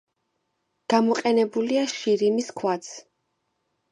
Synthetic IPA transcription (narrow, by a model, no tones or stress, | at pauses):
ɡ̥amɔqʼɛnɛbuliaʃiɾimiskʰwat̪sʰ